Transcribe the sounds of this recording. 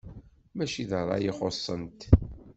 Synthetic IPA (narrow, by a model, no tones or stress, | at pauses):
mæʃiðərˤːɑ̰jiχosˤːənt̪